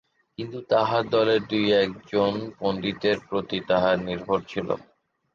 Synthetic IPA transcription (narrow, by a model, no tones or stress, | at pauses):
kint̪ut̪aɦaɾd̪ɔleɾd̪ujɛk̚d͡ʑonkond̪it̪eɾpɾot̪it̪aɦaɾniɾbʱoɾt͡ɕʰilo̰